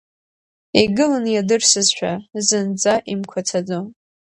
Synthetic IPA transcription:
iɡɨlanjadɨrsɨzʃʷᶣazɨnd͡zaʔimkʷʰat͡sʰad͡zo

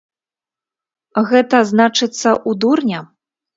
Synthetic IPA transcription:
ɣɛt̪ɐznat͡ʂɨt̪sːɐʔud̪urnʲɐ

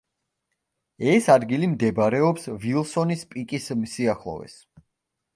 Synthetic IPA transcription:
ɛsad̪ɡilimd̪ɛbɾɛɔpsvilˠsɔnispʼikʼismsiaχlˠɔ̰vɛ̰s

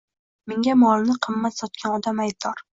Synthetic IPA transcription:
meŋɡʲamɒlˠnɪqʰɨmːat̪sɒt̪̚kʲanɒd̪amajt̪ɒɾ

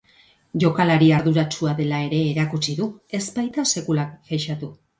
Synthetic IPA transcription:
ʝo̞kalaɾiaɾðuɾat͡ʃuaðe̞lae̞ɾe̞ːɾakut͡ʃiðue̞zbajt̪ase̞kulakfeʃat̪u

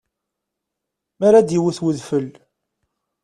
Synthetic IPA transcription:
maɾad̪jiwəθwəðfəl

